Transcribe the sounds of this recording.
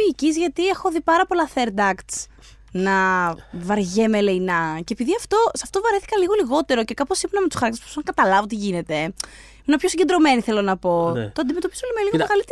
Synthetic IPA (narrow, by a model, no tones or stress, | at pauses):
iːcizʝɐt̪iexoðipɐɾɐpo̞lɐθe̞ɾd̪ɐkt̪s | nɐvɐɾʝemele̞inɐceːpiðiɐft̪o̞sɐft̪ovɐɾeθi̥kɐliɣo̞liɣo̞t̪e̞ɾo̞ce̞kɐposipunɐme̞t̪u̥sɐɾɐk̚t̪espusɐŋkɐt̪ɐlɐvot̪iʝine̞t̪e̞ | imenɐpço̞siɲɟed̪ɾo̞me̞niθe̞lo̞nɐpo̞t̪oɐnd̪imet̪o̞pizoolimeliɣot̪oɣɐlit̪